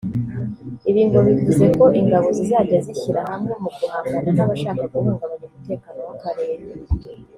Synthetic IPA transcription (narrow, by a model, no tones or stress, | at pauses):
iβiːnhuβivuze̞ko̞ʔiŋɡaβo̞zizaːɟaziçiɾaɦamŋemukuhaːmɡananaβaʃaːkakuɾuːŋɡaβaɲumute̞ːkaːnowakaɾe̞ːɾe